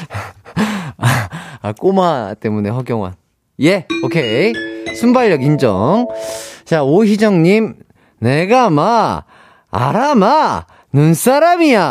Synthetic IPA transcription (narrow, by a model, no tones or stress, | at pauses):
aak͈omat͈e̞mune̞ɦʌɡjʌŋwa̰n | je̞okʰe̞sʰumbaɭjʌɡind͡ʑʌ̰ŋt͡ɕaoɕid͡ʑʌŋɲim | ne̞ɡama̰ː | ɾama | nuns͈ʰaɾamia